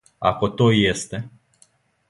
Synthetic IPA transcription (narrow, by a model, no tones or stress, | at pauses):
a̰kot̪ojjest̪e